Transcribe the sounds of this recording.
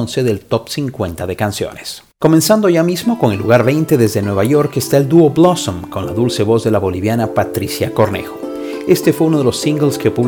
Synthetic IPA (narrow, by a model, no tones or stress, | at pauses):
nseðelt̪opsiŋkwe̞nt̪aðe̞kansjo̰nes | ko̞mẽnsand̪oʝamizmo̞koŋe̞lːuɣaɾβe̞jnt̪eðezðenwe̞β̞aʝo̞ɾkest̪aeld̪uoblosomko̞nlaðulse̞βo̞zðe̞laβo̞liβjanapat̪ɾisjako̞ɾnḛxo | e̞st̪e̞fweuno̞ð̞elo̞siŋɡelskepuβ